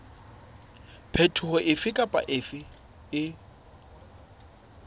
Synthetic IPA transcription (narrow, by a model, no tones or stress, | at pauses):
pʰetʰʊhɔʔɪfɪkʼapʼa̰ʔɪfɪ | ɪ